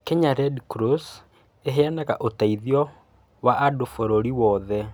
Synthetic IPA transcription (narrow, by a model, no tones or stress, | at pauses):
kɛɲaɾɛdkɾos | eɦeanaɣaʔotaiðiɔ | waʔadofoɾoɾiwɔðɛ